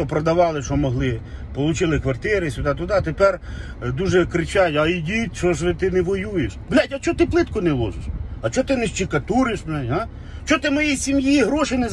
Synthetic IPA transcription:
ɔpɾɔd̪ɐʋɑlˠɪʃɔmɔɦlˠɪpɔlˠʊt͡ʃɪlˠɪkʋɐrt̪ɪɾɪsʲʊd̪ɑt̪ʊd̪ɑt̪epɛr | d̪uʒɛkɾɪt͡ʃɑjʲɐidʲit̪ʲt͡ʃɔʃʋɪt̪ɪnɛʋɔjujeʃʋlʲajtʲɐt͡ʃɔt̪ɪplˠɪt̪kɔnɛlˠɔ̰ʒɪʃɐt͡ʃɔt̪ɪnɛʃt͡ʃikɐt̪uɾɪʃmnɛɦa | t͡ʃɔt̪ɪmɔjisʲimjiɦɾɔʃɪnɛz

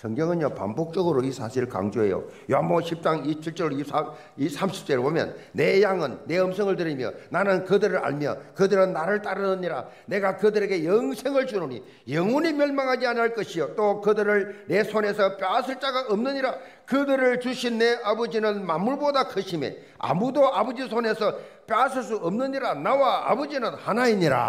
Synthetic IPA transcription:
sʰʌŋɡeŋɯnjʌpa̰mbok̚t͡ɕ͈ʌɡɯɾoisʰaɕʰiɾɯɭka̰ŋd͡ʑoɦe̞̰jo̰ | joɦamboɕʰip̚t͡ɕ͈aŋit͡ɕʰiɭt͡ɕ͈ʌɾoisa | isʰamɕʰi̥p̚t͡ɕ͈ʌɾbomjʌ̰nːe̞jaŋɯnːe̞ɯmsʰʌŋɯɭtɯɾimjʌ̰nanɯnkɯdɯɾɯɭa̰ɭmjʌ̰kɯdɯɾɯnːaɾɯɭt͈aɾɯnɯɲiɾa̰ne̞ɡakɯdɯɾe̞ɡe̞jʌŋsʰe̞ŋɯɭt͡ɕunoɲi | jʌŋunimjʌɭmaŋɦad͡ʑianiɦaɭk͈ʌɕʰijot̪͈okɯdɯɾɯɭne̞sʰone̞sʰʌp͈jaasʰɯɭt͡ɕ͈aɡaʔʌmnɯɲiɾa | kɯdɯɾɯɭt͡ɕuɕʰinːe̞abɯd͡ʑinɯnmamːuɭbodakʰɯɕʰime̞̰ | a̰mudoabʌd͡ʑisʰone̞sʰʌpjʌas̬ʰɯɭs̬͈uʌmnɯɲiɾanawaa̰bʌd͡ʑinɯnhanaiɲiɾa̰

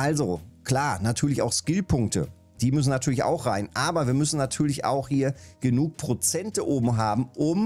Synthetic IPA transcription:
ʔalzokl̥aːnatʰyːɐlɪça̰ʊxskɪlpʰʊŋk̚tə̰ | d̥iːmʏs̬n̩natʰyːɐlɪça̰ʊxʁaɪnʔaːbɐviːɐmʏsn̩natʰyːɐlɪça̰ʊxhiːɐɡ̥ənuːk̚pʁ̥ot͡sɛntəʔoːbm̩ɦaːbm̩ʔʊm

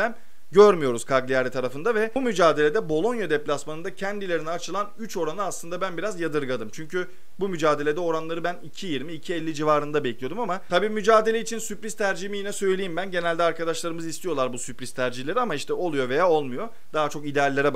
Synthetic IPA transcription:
æn | ɟøɾmyjo̞ɾuz̥kʰaɡlʲijaɾit̪ʰaɾafɯnd̪avɛumyd͡ʒaːd̪e̞lʲe̞d̪ɛbo̞lˠo̞njad̪ɛplʲasmanɯnd̪acʰɛnd̪ilʲeɾinɛat͡ʃʰɯlˠanyt͡ʃo̞ɾanɯaslˠɯnd̪abænbiɾazjad̪ɯɾɡad̪ɯmt͡ʃʰyɲcʰy | bumyd͡ʒaːd̪e̞lʲe̞d̪ɛo̞ɾanlˠaɾɯbænicʰijiɾmiːcʰiɛlʲːid͡ʒivaːɾɯnd̪abɛclʲijo̞d̪umamat̪ʰabiːmyd͡ʒaːd̪elʲeit͡ʃʰinsypɾiz̥t̪ʰæɾd͡ʒiimijinɛsø̞jlʲejimbænɟe̞nælʲd̪ɛaɾkad̪aʃlˠaɾɯmɯzist̪ʰijo̞lˠaɾbusypɾizt̪ʰæɾd͡ʒihlʲe̞ɾiamaiʃt̪ʰɛo̞lˠujo̞ve̞jaːo̞lˠmujo̞ | d̪̥aɦat͡ʃʰo̞kid̪ealʲːeɾɛ

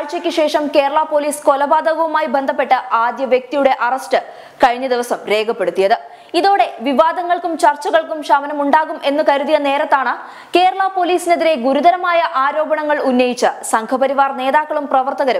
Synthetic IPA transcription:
aɻt͡ɕːɐkʲːɨɕe̞ːʂɐmke̞ːɾɐɭapo̞ːliːsko̞lɐbaːd̪ɐɣɐʋumaːjibe̞nd̪ʱɐpːe̞ʈːɨʔaːd̪jɐʋjek̚t̪ijuɽe̞ʔɐrɐsʈɨ | kɐɻiɲːɐd̪iʋɐsɐmɾe̞ːɡɐpːe̞ɽut̪ːijɐðɨ | iðo̞ːɽe̞ʋiʋaːd̪ɐŋːɐɭkumt͡ɕɐrt͡ɕːɐɣɐɭkumʂɐʋɐnɐmuɳɖaːɣume̞nːɨkɐɾuðijɐne̞ːɾɐt̪ːaːɳɨ | ke̞ːɾɐɭapo̞ːliːsineðiɾe̞ɡuɾud̪ɐɾɐmaːjɐʔaːɾo̞ːbɐɳɐŋːɐɭunːɐjit͡ɕːɨsɐŋkʰɐpɐɾiʋaːrne̞ːðaːkːɐɭumprɐʋɐrt̪ɐɣɐɾɐm

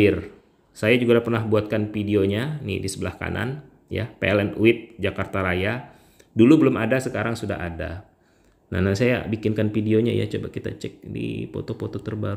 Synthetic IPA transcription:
ɪr | sajad͡ʒuɡaapərnahbuat̪̚kanfidioɲanḭdisəbəlahka̰nʔa̰n | ja̰pḛɛlɛnuɪt̪̚d͡ʒakart̪aɾaja | dulubəlʊmadasəkaɾaŋsuda̰ɦada̰ | nanasaja̰bikɪnkanfidioɲa̰ja̰t͡ʃobakit̪a̰t͡ʃɛk̚dḭpo̰t̪opot̪ot̪ərbaɾu

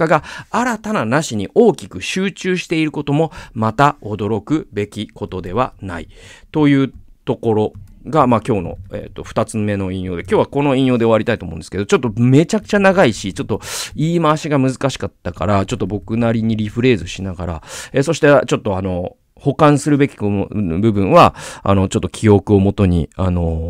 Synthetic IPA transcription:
aɡaaɾat̪ananaɕiɲ̟iʔo̞ːkʲikɯ̟ɕɨːt͡ɕɨːɕi̥t̪e̞iɾɯ̟ko̞t̪o̞mo̞mat̪ao̞d̪o̞ɾo̞kɯ̟be̞kʲikʰo̞t̪o̞d̪e̞β̞ana̰ḭt̪o̞jɯ̟ːt̪o̞ko̞ɾo̞ɡamaːkʲo̞ːno̞̰ḛt̪ːo̞ɸɯ̥t̪at͡sɨme̞no̞ĩɰ̃jo̞ːd̪e̞kʲoːβako̞no̞ĩjo̞ːd̪e̞oaɾʲit̪ait̪omõ̞ːnd̪eske̞d̪o̞t͡ɕo̞t̪ːo̞me̞t͡ɕakɯ̟̥t͡ɕanaɡaiɕit͡ɕo̞t̪ːoiːmaːɕiɡamɯzɨkaɕi̥kat̪ːakaɾat͡ɕo̞t̪ːo̞bo̞kɯ̟naɾʲiɲ̟iɾʲiɸɯ̟ɾe̞ːzɨɕinaɡaɾa̰e̞ːso̞ɕi̥t̪et͡ɕot̪ːo̞ano̞ | ho̞kãɰ̃sɨɾɯ̟be̞kʲi̥kobɯ̟bɯ̟̃ɰ̃βaa̰no̞t͡ɕo̞t̪ːokʲʰio̞kɯ̟o̞mo̞t̪o̞ɲ̟ḭano̞

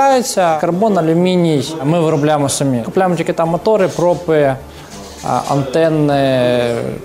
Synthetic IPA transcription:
ajɪsʲɐkɐrbonɐlʲʊmʲinʲijmɨʋɨɾʊblʲajɪmɔsɐmʲikʊplʲajmt̪ʲkʲit̪ɐmɐt̪oɾɨpɾopɨ | ɐ̰nt̪ɛnːɪ

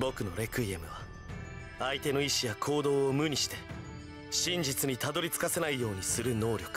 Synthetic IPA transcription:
bo̞kɯ̟no̞ɾe̞kɯ̟iemɯ̟βa | ait̪e̞no̞iɕijakʰo̞ːd̪o̞ːmɯ̟ɲ̟iɕi̥t̪e̞̥ | ɕĩɲd͡ʑit͡sɨɲ̟it̪ad̪o̞ɾʲit͡sɨ̥kase̞naijo̞ːɲ̟isɨɾɯ̟no̞ːɾʲo̞kɯ̟̥

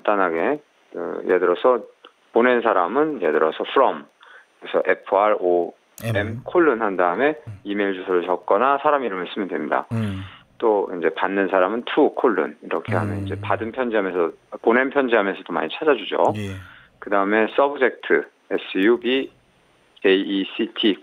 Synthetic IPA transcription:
t͈anɦaɡe̞ | kɯ̰jedɯɾʌsʰʌ | pone̞nsʰaɾamɯnje̞dɯɾʌsʰʌpʰɯɾʌm | kɯɾesʰʌ̰ʔe̞pʰɯaɾo | emkʰoɭːɯnhandaɯme̞ime̞iɭd͡ʑusʰʌɾɯɭt͡ɕʌk̚k͈ʌnasʰaɾamiɾɯmɯɭs͈ɯmjɯndwe̞mɲida̰t͈oind͡ʑe̞panːɯnsʰaɾamɯntʰukʰoɭːṵniɾʌkʰe̞ɦamjʌnind͡ʑe̞padɯnpʰjʌnd͡ʑiɦamjʌnsʰʌponenpʰjʌnd͡ʑiɦamjʌnsʰʌtoma̰ɲit͡ɕʰad͡ʑad͡ʑud͡ʑo̰ | kɯdaɯme̞s͈ʌbɯd͡ʑe̞k̚tʰɯ | es͈ʰjubi | eiːsʰitʰi

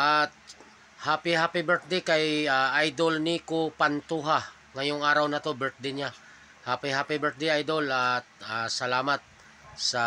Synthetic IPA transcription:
ʔat̪̚ | haːpihaːpɪbɛɹt̪̚d̪ɛkɐjaʔajd̪olnikopant̪uɦa | ŋɐjoŋaːɾɐwnɐt̪o̞bɛɹt̪̚d̪ɪnɲa | haːpihaːpibɛɹt̪̚d̪ɛʔajd̪olat̪̚asɐlaːmɐt̪̚ | sɐ

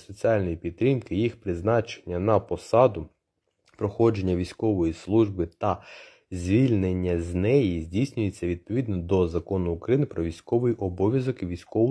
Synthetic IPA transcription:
sɔt͡sʲiɑlʲnɔjipʲit̪ɾʲinkɪjixpɾɪznɑt͡ʃe̥nʲːɐnɐpɔsɑd̪ʊ | pɾɔxɔd͡ʒe̞nʲːɐʋʲijsʲkɔʋɔjislˠuʒbɪt̪ɐ | zʲʋʲilʲnenʲːɐzʲnɛjizʲdʲijsʲnʲʊjet͡sʲːɐʋʲid̪̚pɔʋʲid̪nɔd̪ɔzɐkɔnʊːkɾɐjinɪpɾɔʋʲijsʲkɔʋɪjiʔɔbɔʋʲjɐzɔkɪʋʲijsʲkɔʋʊ

